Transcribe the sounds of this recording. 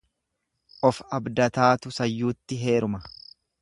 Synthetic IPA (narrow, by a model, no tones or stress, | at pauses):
ʔɔfɐbd̪ɐt̪aːt̪ʊsɐjːuːt̪ːɪɦe̞ːɾʊmɐ